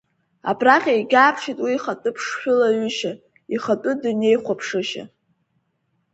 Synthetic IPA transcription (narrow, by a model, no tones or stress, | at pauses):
a̰pʰraχʲajɡʲaːpʰʂitʼwiːχatʼʊpʰʂχʲᶣʊlaɥʏʃa | iχatʼʊdune̞jχʷapʰʂɨʃa̰